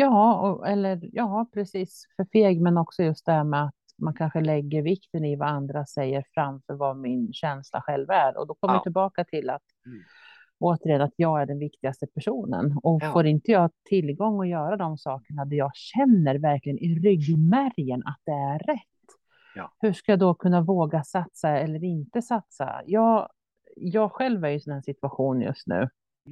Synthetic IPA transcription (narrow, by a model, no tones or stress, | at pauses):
jɑːɔɛlːəɾjɑːpʰɾɛsiːsfœɾfeːɡmɛnɔksɔjɵst̪̚d̪ɛhæɾmɛat̪ | mankʰanɧəlɛɡːəɾvɪkt̪ənɪvaand̪ɾasɛjːəɾfɾamfœɾvamɪnɕɛnsla̰ɧɛlvæɾɔ̰d̪ɔkʰɔməjt̪ʰɪlbɑːkat̪ʰɪlːat̪ | ʔoːt̪əɾjənat̪jɑːɡæɖɛnvɪkt̪ɪɡast̪əpʰæʂuːnə̰nɔfoːɾɪnt̪əjɑːɡt̪ʰɪlːɡɔŋːɔjœːɾad̪ɔmsɑːkəɳad̪æjɑːɡɕɛnːəɾvæɾklɪɡənʔɪɾʏɡmæɾjənʔa̰t̪̚d̪ɛæɾɛt̪ː | hɵʂkajɑːd̪ɔkʰɵnːavoːɡasat̪saɛlːəɾɪnt̪əsat̪sa̰jɑː | jɑːɡɧɛlvæɾjɵsɔnhæːʂɪt̪ʉaɧuːnjɵ̰st̪nʉ̟̰ː